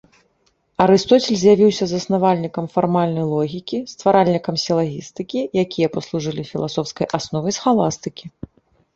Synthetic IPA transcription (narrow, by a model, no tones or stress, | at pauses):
ɐɾɨst̪ɔt͡sʲɛlʲzʲjavʲiwsʲɐzɐsnavalʲnʲikɐmfarmalʲnɐjlˠɔɣʲikʲist̪vaɾalʲnʲikɐmsʲɛlˠaɣʲist̪ɨkʲijakʲijɐpɐslˠuʐɨlʲifʲilˠasɔwskɐjʔasnɔvɐjsxalˠast̪ɨkʲi